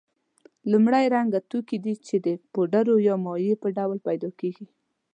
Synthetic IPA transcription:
lumɽajɾaŋɡat̪ukid̪it͡ʃed̪əpoɖaɾojɑmɔjepəɖawlpajd̪ɑkeɡi

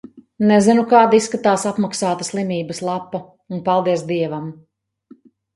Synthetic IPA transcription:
nezinukaːd̪isːkat̪aːsapmaksaːt̪aslˠimʲiːbəslˠapːa | unpalˠd̪iɛsd̪iɛvam

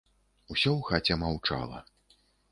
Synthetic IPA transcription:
usʲɔwxat͡sʲɛmawt͡ʂa̰lˠɐ̰

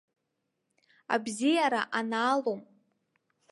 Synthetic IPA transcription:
a̰bzijaɾaʔanaːlom

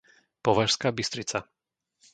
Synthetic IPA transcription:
pɔʋaʃskaːbist̪ɾit͡sa

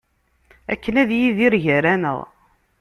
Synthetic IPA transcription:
ækːənæðjiðiɾʝæɾænə̰ʁ

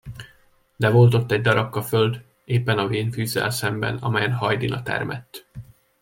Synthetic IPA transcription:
d̪ɛvo̞lt̪̬o̞t̪ːɛɟ̚d̪ɒɾɒkːɒføld̪ | eːpːɛnɒveːnfyːzːɛ̰lsɛmbɛ̰nɒmɛjɛnhɒjd̪inɒt̪ɛ̰rmʔɛ̰t̪ː

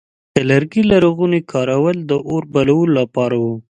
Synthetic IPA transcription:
d̪̥əlaɾɡilaɾoɣunekʰɑɾawəld̪əʔoɾbalawəlolapɑɾawu

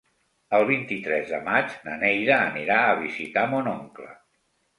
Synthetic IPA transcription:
əlˠβ̞int̪it̪ɾɛzðəmad͡ʒnənɛjðəːniɾaəβizit̪amonɔŋklə̰

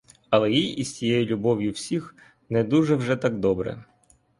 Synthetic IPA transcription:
ɐlˠɛjijʔiztʲijɛjʊlʲʊbɔʋʲjʊwsʲix | nɛd̪uʒɛwʒɛt̪aɡd̪ɔbɾɛ̰

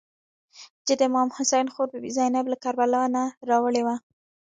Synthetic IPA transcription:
d͡ʒed̪əmɑmhʊsajnxoɾpəbizɑjnablakaɾbalawnaɾɑwəɭewa

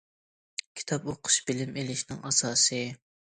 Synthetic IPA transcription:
kʲʰi̥t̪ʰɑpoqʰʊ̥ʃb̥ɪlɪmelɪʃnɪŋɑsɑːsɨ

